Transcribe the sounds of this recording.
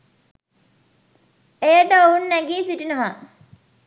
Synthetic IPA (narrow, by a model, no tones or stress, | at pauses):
ejəʈəounːæɡiːsiʈinəɦa